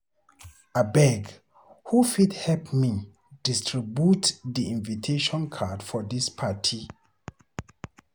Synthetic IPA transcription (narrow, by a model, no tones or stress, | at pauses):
abɛɡ | hufidhɛlpmi | d̥istɹibjutdiĩnvitʰeʃɔ̃nkʰadfɔdispʰatʰi